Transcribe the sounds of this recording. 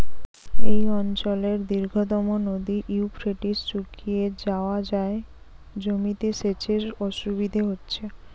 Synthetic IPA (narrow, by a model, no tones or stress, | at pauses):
ejɔnt͡ɕɔleɾd̪iɾɡʱot̪ɔmonod̪iʔiupɾeʈist͡ɕukʰied͡ʑaoad͡ʑae | d͡ʑomit̪eʃet͡ɕʰeɾɔʃubid̪ʱeɦotːɕʰe